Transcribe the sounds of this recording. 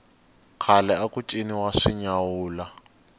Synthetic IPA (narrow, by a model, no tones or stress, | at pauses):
kʰalɛakut͡ʃʼiniwaʂiɲawuːla